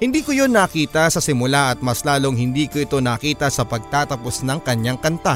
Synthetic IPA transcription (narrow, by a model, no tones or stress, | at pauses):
hɪnd̪iːkojonːɐːkiːt̪ɐsɐsɪmʊlaʔɐt̪̚mɐslaːlo̞ŋhɪnd̪iːkoʔɪt̪o̞nɐːkiːt̪ɐsɐpɐɡ̚t̪aːt̪ɐposnɐŋkɐɲaŋkɐnt̪a